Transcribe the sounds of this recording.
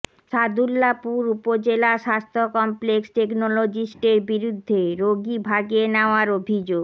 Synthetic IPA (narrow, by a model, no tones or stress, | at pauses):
ʃad̪ulːapuɾupod͡ʑelaʃast̪ʰokɔmpleksʈeknolod͡ʑisʈeɾbiɾud̪ʱːeɾoɡibʱaɡenaoaɾobʱid͡ʑoɡ